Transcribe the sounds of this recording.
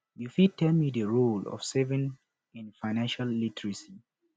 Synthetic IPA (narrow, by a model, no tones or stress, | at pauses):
jufitʰːɛlmidəɹulɔ̰fsɛvĩŋ | ɛ̃nfaɪnãnʃalːitʰɹisi